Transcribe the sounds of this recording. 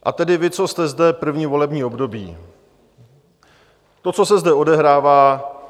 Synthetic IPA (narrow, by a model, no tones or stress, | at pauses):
ʔa̰t̪ɛdɪvɪt͡so̞st̪ɛzdɛpr̩vɲiːvo̞lɛbɲiːo̞bdo̞bḭː | t̪o̞t͡so̞sɛzdɛo̞dɛɦɾaːvaː